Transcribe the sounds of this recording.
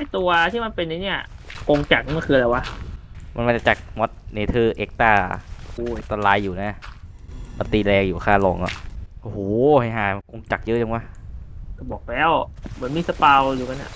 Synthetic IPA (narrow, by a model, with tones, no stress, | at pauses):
ha˥˩t̪u˧ɐt̪ʰiː˥˩ma˧npe˧nːa˧˦ni˦˥˩ɐko˧ŋt͡ɕa˨˩k̚kʰɯː˧la˧jwa˦˧˥ma˧nma˧nt͡ɕa˨˩t͡ɕa˨˩k̚mɔ˦˥t̪̚niː˧˩t̪ʰɯː˧˩ʔeː˦˥k̚t̪aː˧˩uː˧˩ʔeː˦˥k̚t̪aː˧laː˧jːuː˨˩naː˧˥˩ | ma˧t̪iː˧lɛː˧ŋjuː˨˩kʰaː˥˩lo˨˦ŋʔɔ̰˧˩ʔo˧hoː˨˧˦ha˧˩jɦaː˨˩ko˧ŋt͡ɕa˨˩k̚jɤ˦˥ʔt͡ɕa˧ŋwa˧˩ka˧˩bɔː˨˩k̚lɛː˦˥˩wma˨˦nmiː˧˥˩sa˧paː˧wjuː˨˩ka˧na̰˨˩ʔ